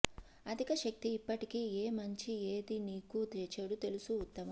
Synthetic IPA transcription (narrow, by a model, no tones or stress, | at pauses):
ɐd̪ʱikɐʃɐk̚t̪iːpːɐʈikiːeːmɐɲt͡ʃieːd̪iniːkud̪et͡ʃeːɽut̪e̞lusuːt̪ːɐmɐ